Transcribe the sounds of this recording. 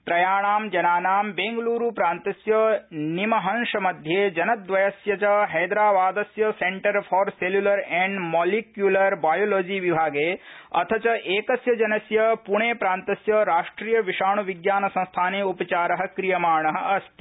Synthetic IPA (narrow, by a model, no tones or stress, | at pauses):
t̪ɾɐjaːɳaːmd͡ʒɐnaːnaːmbeːŋɡluːɾupɾaːnt̪ɐsjɐnimɐɦɐnʃɐmɐd̪ʱjeːd͡ʒɐnɐd̪ʋɐjɐsjɐt͡ʃɐɦɐjd̪ɾaːʋaːd̪ɐsjɐseɳʈɐɾfʰɔːɾseljulɐɾɛɳɖmoːlikjulɐɾbaːjoːloːd͡ʒiːʋibʱaːɡeːɐ̰t̪ʰɐt͡ʃɐʔeːkɐsjɐd͡ʒɐnɐsjɐpuɳeːpɾaːnt̪ɐsjɐɾaːʂʈɾiːjɐʋiʃaːɳ̃uʋiɡjaːnɐsɐ̃st̪ʰaːneːupɐt͡ʃaːɾɐɦɐ̆kɾijɐmaːɳɐɦɐ̆ʔɐst̪i